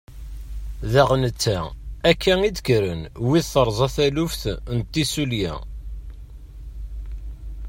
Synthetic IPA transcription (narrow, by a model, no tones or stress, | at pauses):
ðæʁnət͡sːæækʰːæŋid̪kɾənwiðθəɾˤzˤɑθælʊfθnət̪ːisuljæ̰